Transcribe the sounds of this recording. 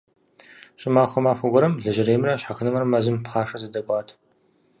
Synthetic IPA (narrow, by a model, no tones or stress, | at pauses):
ɕʼɪmaːxʷɔmaːxʷɐɡʷɔɾɐmɮɨʒɪɾeːmrɐɕħaxɨnɨmrɐmɐzɨmpχaːʂɐzɐdɐkʷʼɑːtʰ